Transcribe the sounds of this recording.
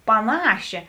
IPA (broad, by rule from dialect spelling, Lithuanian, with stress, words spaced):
pɐˈnɑːʃʲeː